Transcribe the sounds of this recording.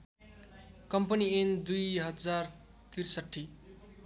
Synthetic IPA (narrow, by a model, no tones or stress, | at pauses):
kʌmpʌniend̪ujɦʌd͡zar | t̪irsʌʈʰːi